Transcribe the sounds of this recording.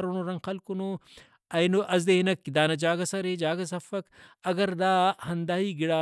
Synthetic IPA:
ɾunuɾɐŋɡxɐlkunu | ɐjnuʔɐzd̪einɐkːid̪aːnɐd͡ʒaːɡɐsɐɾed͡ʒaːɡɐs̬ɐfɐkɐɡɐɾd̪aːhɐnd̪aːɦiːɡiɽaː

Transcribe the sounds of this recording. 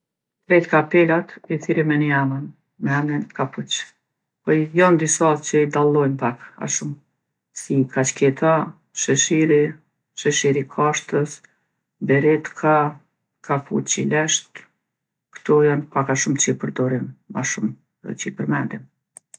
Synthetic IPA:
t̪ɾɛt̪kapɛlat̪iθiɾimɛniamən | mɛamɛnkaput͡ʃ | pɔjɔnd̪isat͡ʃəid̪alˠɔjnpaka̰ʃum | sikʰat͡ʃkɛt̪ʰa | ʃəʃiɾi | ʃəʃiɾikʰaʃt̪əs | bɛɾɛt̪kʰa | kʰapʰṵt͡ɕilɛʃt̪ | kt̪ɔjanpakaʃumt͡ʃəipəɾd̪ɔɾimːa̰ʃum̰ | t͡ɕəipəɾmɛnd̪im

